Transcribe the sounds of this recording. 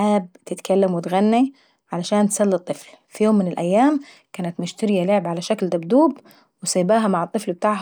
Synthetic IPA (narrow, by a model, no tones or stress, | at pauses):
ʕaːbt̪ɪt̪kalːamwɪt̪ɣanːi | ʕalaʃaːnt̪salːɨt̪ˤːɨflfijoːmːɪnɪlʔajːaːm | kaːnat̪mʊʃt̪aɾɪjalɪʕɪbʕalaʃakld̪abd̪uːb | wɪsaːbaːɦamaʕɨt̪ˤːɨflbɪt̪aːʕ